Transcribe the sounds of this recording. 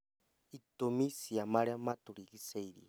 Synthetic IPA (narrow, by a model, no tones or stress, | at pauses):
it̪omisiamaɺɛamat̪uɾikiseiɾḭ